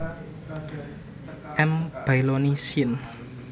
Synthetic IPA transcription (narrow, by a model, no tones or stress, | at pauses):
ʔɛmb̥ajlonisiən